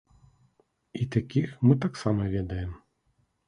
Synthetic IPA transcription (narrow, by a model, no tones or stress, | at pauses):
it̪akʲixmɨt̪aksamɐvʲɛd̪ɐjɛm